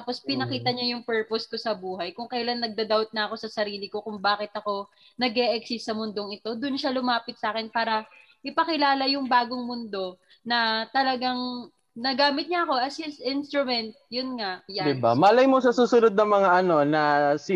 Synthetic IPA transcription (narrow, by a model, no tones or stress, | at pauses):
apo̞spɪnɐkiːt̪ɐɲajʊŋpɛɹposko̞sɐbuːɦɐjkʊŋkɐjlanːɐɡ̚d̪ɐd̪awt̪̚nɐʔɐko̞sɐsɐɾiːlɪko̞kʊŋbaːkɪt̪̚ʔɐko̞ | nɐɡʔɛʔɛksɪsːɐmʊnd̪o̞ŋɪt̪o̞d̪ʊnʃalʊmaːpɪt̪̚saːkɛnpaːɾɐ | ʔɪpɐkɪlaːlɐjʊŋbaːɡoŋmʊnd̪o̞ | nɐt̪ɐlɐɡaŋ | nɐɡaːmɪt̪̚ɲɐʔɐko̞ʔɐsɛsʔɪnst̪ɾʊmɛnt̪̚jʊnŋaʔd̪ɪba̰mɐlɐjmosɐsuːsʊnod̪̚nɐŋmɐŋaʔɐno̞nɐs